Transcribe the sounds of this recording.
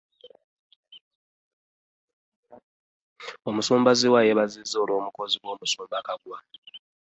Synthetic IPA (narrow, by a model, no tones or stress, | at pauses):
omusoːmbaziwajeβazizːoːloːmuko̞ziβwo̞ːmusoːmbakaɡuwa